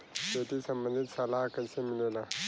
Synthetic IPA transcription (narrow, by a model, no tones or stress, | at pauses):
t̪ot̪iːsəmbənd̪ʱit̪salakəsemilela